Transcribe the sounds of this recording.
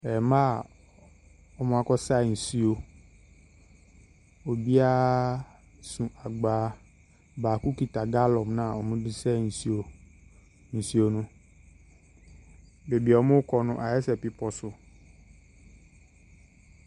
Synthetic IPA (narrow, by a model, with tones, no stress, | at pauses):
ɛ˨mã˦ | ɔ˨mũ˨˦a˨kɔ˦sa˦˨ñ̩˨si˦o˨ | o˨bi˦a˦ | sũ˨ʔa˨ɡ͡ba˨˦ | ba˨ku˦ki˨t̪a˨ɡa˦lɔ˨mnã˦˨o˨mũ˨di˦sɛ˦˨n̩˨si˨o˨ | nĩ˨si˨˦o˨nʊ̃˦ | be˨bi˨ɔ˨˦mo˦kɔ˦nʊ̃˨ʔa˨ɛ˦sɛ˨pi˨pɔ˨sʊ˨